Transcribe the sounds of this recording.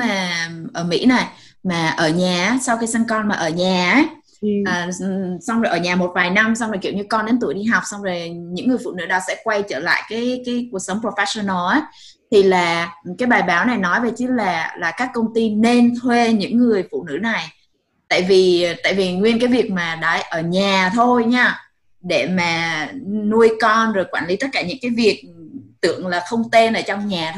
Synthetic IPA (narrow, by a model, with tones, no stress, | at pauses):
maː˨˩ʔəː˧˩mḭ˧˥na˨˩jmaː˨˩ʔəː˧˩ɲaː˨˩˨sa˧wkaː˨˦jsa˧ŋkɔ˧nmaː˨ʔəː˧˩ɲaː˨˩˦ | əː˨˩sa˧wŋ͡mzo˨˩ʔəː˧˩ɲaː˨˩mo˨˩t̚vaː˨˩jna˧msa˧wzo˨˩kḭ˧˨əwɲɨ˧kɔ˧nɗe˨˦nt̪ɨ̰˧˩əjɗi˧ɦa˨˩wk͡p̚sɔ˧wŋ͡mzo˨˩ɲɨ̰˧˥ŋːɨ˨˩əfṵ˧˨˩nɨ̰˧˥ɗa̰ː˧˩sɛ̰˧˥kwa˧jt͡ɕəː˧˩la̰ː˧˨jkaː˨˦jkaː˨˦jku˨˩ək̚sə˨˦wŋ͡mpo˧fɛ˧˥sɔ˧nɔː˧ʔaː˨˦ | t̪ʰi˨˩laː˨˩kaː˨˦jɓaː˨˩jɓaː˨˦wna˨˩jnɔ˨˦jve˨˩t͡ɕɨ˨˦laː˨˩laː˨˩kaː˦˥kːə˧wŋ͡mt̪i˧ne˧nt̪ʰwe˧ɲɨ̰˧˥ŋːɨ˨˩əjfṵ˧˨nɨ̰˧˥na˨˩j | t̪a̰ː˧˨jvi˨˩t̪a̰ː˧˨jvi˨˩ŋwi˧ənkaː˨˦jvi˨˩ək̚maː˨˩ɗa̰ː˧˥ʔəː˧˩ɲaː˨˩t̪ʰo˧jɲaː˧ | ɗe˧˩maː˨˩nu˧əjkɔ˧nzo˨˩jkwaː˧˩nli˨˦t̪ə˦˥t̚kaː˧˩ɲɨ̰˧˥ŋkaː˨˦jvi˨˩ək̚t̪ɨ̰˧˨əŋlaː˨˩xə˧wŋ͡mt̪e˧nʔəː˧˩t͡ɕɔ˧wŋ͡mɲaː˨˩t̪ʰ